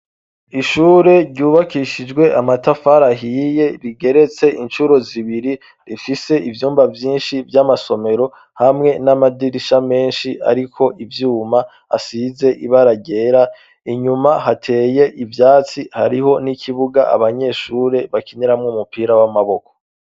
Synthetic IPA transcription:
iʃuːɾe̞ɾɟuːβakiʃid͡ʒɡwe̞ʔamatafaɾaɦije̞ɾiɡe̞ɾe̞t͡se̞int͡ʃuɾo̞ziβiɾi | ɾifise̞ivjuːmbavjiːnʃivjamaso̞me̞ɾo̞ | hamŋe̞namadiɾiʃame̞ːnʃia̰ɾikʰo̞ʔivjuːma | a̰size̞ʔiβaɾaɟe̞ːɾa | iɲumahatʰe̞ːje̞ʔivjaːt͡siha̰ɾiɦo̞nikʰiβuɡaʔa̰βaɲe̞ːʃuːɾe̞βakiniɾamŋumupiːɾawamaβo̞kʰo̥

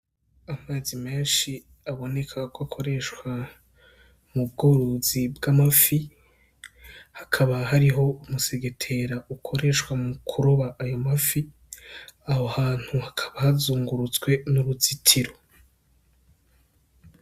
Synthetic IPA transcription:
amaːzime̞ːnʃi | aβo̞ne̞kʰakwakʰo̞ɾe̞ʃwa | mubɡoɾozibɡamafi | hḁkʰaβaɦaɾiɦo̞umuse̞ɡe̞tʰe̞ɾaʔukʰo̞ɾe̞ʃwamukʰuɾoβaʔːjomafi | ahohaːn̥huhakʰaβahazuːŋɡuɾut͡swe̞nuɾuzitʰiɾo

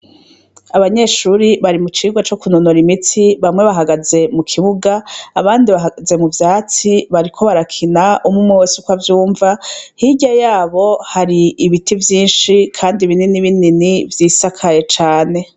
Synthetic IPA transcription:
aβaɲe̞ʃuːɾiβaɾimut͡ʃiːɡwat͡ʃo̞kunonoɾimitiβamŋe̞βaɦaɡaze̞mukʰiβuɡaːβaːndiβaɦaɡaze̞muvjaːt͡siβaɾikʰo̞βaɾakʰinaʔumŋumŋewosukwavjuːɱvahiɟajaːβo̞haɾiːβitivjiːnʃikʰaːndiβininiβininivjiːsakʰaje̞t͡ʃaːne̞

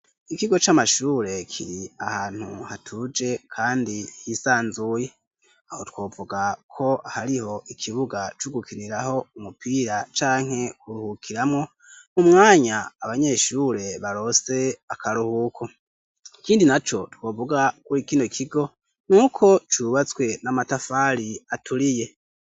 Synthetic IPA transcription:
ikiɡo̞t͡ʃamaʃuːɾe̞kʰḭɾiahaːn̥hṵhatʰud͡ʒe̞kʰaːndihisaːnzuje̞ | ahotkwo̞ːvuɡakʰo̞ahaɾiho̞ʔikʰiβuɡat͡ʃuɡukiniɾaho̞umupiːɾat͡ʃaːŋ̥e̞kuɾuhukʰiɾamŋo̞ | mumŋaːɲaːβaɲe̞ʃuɾe̞βaɾo̞se̞akʰaɾuhukʰo | kiːndinat͡ʃo̞tkwoːvuɡakuikiːnokʰiɡo̞ | nuːkʰo̞t͡ʃuβat͡swe̞namatafaːɾiatʰuɾije̞

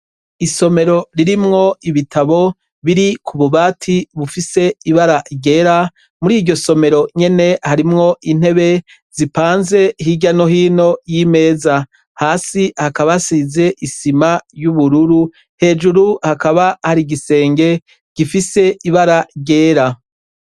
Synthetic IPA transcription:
iso̞me̞ɾo̞ɾiɾimŋo̞iβitʰaβo̞ | βiɾikʰuβuβaːtʰiβufise̞iβaɾaɟe̞ːɾa | muɾiːɟo̞so̞me̞ɾo̞ɲe̞ne̞haɾimŋo̞ʔin̥e̞βe̞ | z̥ipaːnze̞ɦiɟano̞hiːno̞jiːme̞ːza | haːsihakaβasize̞ʔisimajuβuɾuɾu | he̞ːd͡ʒuɾuhakaβahaɾiɡise̞ːŋɡe̞ | ɡ̥ifise̞iβaɾaɾɟe̞ːɾa

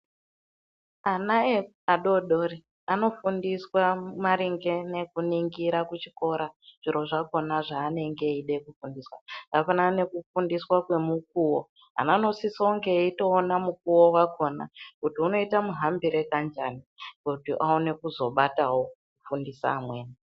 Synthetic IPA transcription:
anae | aɗo̞ɗoɾi | ano̞fundiswamaɾiŋɡe̞ne̞kuniŋɡiɾakut͡ʃi̥ko̞ɾaʐ̥iɾo̞ʐako̞naʐaːne̞ŋɡe̞iɗekufundiswa̰apanane̞kufundiswakwe̞muk̚uwo | a̰nano̞sisouŋɡe̞ito̞ːnamuk̚uwo̞wako̞na̰kutiuno̞itamuɦambiɾe̞kand͡ʒanikutiʔaone̞kuzo̞ɓatawo̞kufundisa̰ːmwe̞ːni

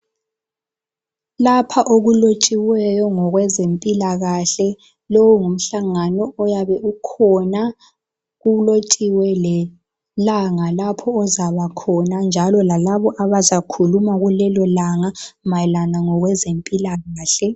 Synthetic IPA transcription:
lapʰaʔoɣulot͡ʃʼiwɛjɔŋɔɣwɛzempʼilaɣaɬɛ | lɔwɔŋum̩ɬaŋanɔɔjaβɛʔukʰɔna | ɣulot͡ʃʼiwɛlɛ | laŋalapʰɔːzaβakʰɔnand͡ʒʱalɔlalaβɔʔaβazakʰulumaɣulɛlɔlaŋamalanaŋɔɣwɛzempʼilaɣaːɬɛ

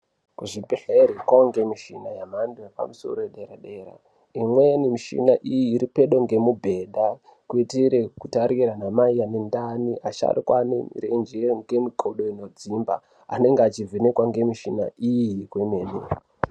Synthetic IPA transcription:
kuʐibiɬeɾekwaŋɡe̞miʃḭnajamandojepa̰muso̞̰ɾoeɗeɾaɗeɾa̰ | imwenimiʃḭnaʔijiːɾipeɗo̞ŋɡe̞mubʱe̞ɗa | kuitiɾekutaɾiɾanamaiane̞ndaniʔaʃa̰rikwa̰nḛmḭrend͡ʒeŋɡe̞mikʰo̞ɗo̞ino̞d͡zimba̰ | a̰ne̞ŋɡeat͡ʃivʱenekwaŋɡe̞miʃina̰ʔijikwemeːnḛ

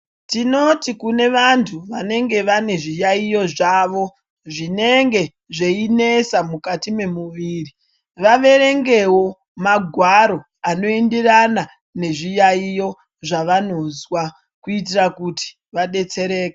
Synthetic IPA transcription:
tino̞tikune̞ʋantʰuʋane̞ŋɡe̞ʋane̞ʐijaijo̞ʐaːʋo̞ | ʐine̞ŋɡe̞ | ʐe̞ine̞samukatime̞muʋiːri | ʋaʋe̞ɾe̞ŋɡe̞wo̞ | maɡʱwaɾo̞ | ano̞endirana | ne̞ʐijaijo̞ | ʐaʋano̞zwa | kuit̬irakuti̥ | ʋaɗe̞t͡se̞ɾe̞ːke

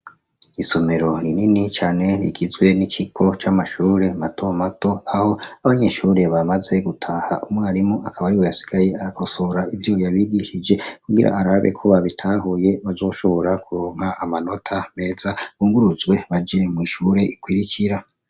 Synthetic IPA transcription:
iso̞me̞ɾo̞ɾininit͡ʃaːne̞ɾḭɡizɡwe̞nikʰiɡ̥o̞t͡ʃaːmaʃuːɾe̞matʰo̞mato̞aho̞aβaɲe̞ʃuːɾe̞βamaze̞ɡutʰahaʔumwaːɾimoʔakʰaβaɾiwo̞jasi̥ɡ̥aje̞aɾakʰo̞soɾaivjo̞jaβiɡiʃid͡ʒe̞kuɡiɾa̰aɾaβe̞̰kʰo̞βaβitʰaːɦuje̞βazo̞ːʃo̞βo̞ɾakuɾoːŋ̥haːmano̞tʰame̞ːzaβuːŋɡuɾuzɡwe̞βad͡ʒemwiʃuːɾe̞ikwiɾikʰiɾa

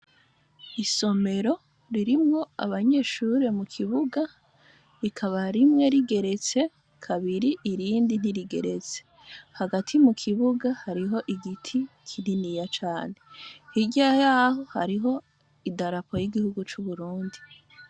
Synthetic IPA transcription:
iso̞me̞ɾo̞ | ɾiɾimŋo̞a̰βaɲe̞ːʃuɾe̞mukʰiβuɡa | ɾikʰaβaɾimŋe̞ɾiɡe̞ɾe̞t͡se̞ | kʰaβiɾiʔːɾiːndin̥iɾiɡe̞̰ɾe̞t͡se̥ | haɡatʰimukʰiβuɡahaɾiɦo̞ʔiɡitʰikʰininijat͡ʃaːne̞hiɟajaːho̞ha̰ɾiɦo̞ | idaɾapo̞jiɡihuɡut͡ʃuβuɾuːndi

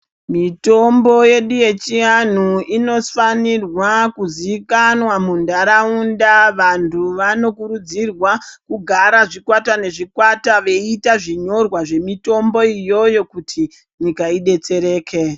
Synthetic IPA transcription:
mito̞mbo̞je̞ɗuje̞t͡ʃian̤uino̞fanirwakuziikanwamundaɾaundaʋantʰuʋano̞kuɾud͡zirwakuɡʱaɾaʐikwatane̞ʐikwataʋe̞itaʐiɲo̞rwaʐe̞mito̞mbo̞ijo̞jo̞kutʰi | ɲikaiɗe̞t͡se̞ɾe̞ːkʰe̞

